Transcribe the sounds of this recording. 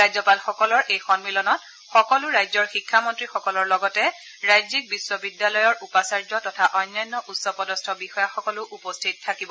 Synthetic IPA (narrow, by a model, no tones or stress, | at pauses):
ɹajzɔpalxɔkɔlɔɹʔejxɔnmilɔnɔt | xɔkɔlʊɹajzɔɹxikʰːamɔntɹixɔkɔlɔɹlɔɡɔtɛ | ɹajzik̚biswɔbidjalɔjɔɹupasaɹzɔtɔtʰaʔɔjnːajnːɔʔutsɔpɔdɔstʰɔbixɔjaxɔkɔlʊʔupɔstʰit̚tʰːakibɔ